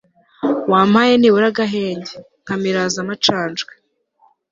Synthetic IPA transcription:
waːmajeniβuɾaɡaɦeːɲɟe | ŋ̥kamiɾaːzamat͡ʃaːnd͡ʒɡe

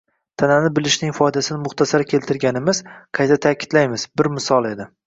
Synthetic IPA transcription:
t̪ʰananɪbɪlɪʃnɪŋfɒjd̪asɪnɪmʊχt̪ʰasaɾkʲʰe̞lt̪ʰɪɾɡʲanɪmɪz̥qʰɑjt̪ʰat̪ʰakʲʰɪ̥d̪̥lajmɪzbɪɾmɪsɒlˠe̞d̪ɪ

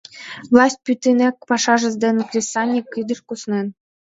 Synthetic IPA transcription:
vlˠɑsʲt̪̚ʲpyt̪ɘnækpɑʂɑʒɤ̆zd̪enklʲesɑnʲikːɯd̪ɤ̆ʃkusnen

